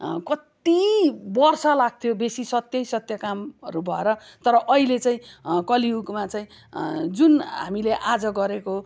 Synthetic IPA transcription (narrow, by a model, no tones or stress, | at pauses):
kʌt̪ibʌrsʌlaɡ̚t̪ʰjobesisʌt̪jʌjsʌt̪jʌkamʌɾubʱʌeɾʌt̪ʌɾʌʔʌilet͡saĩkʌliuɡmat͡saĩ | d͡zunɦa̰mileʔad͡zʌɡʌɾeko